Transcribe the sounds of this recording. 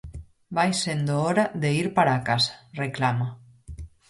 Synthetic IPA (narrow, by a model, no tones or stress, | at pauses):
bajsend̪oɔɾaðeiɾpaɾakasḁreklama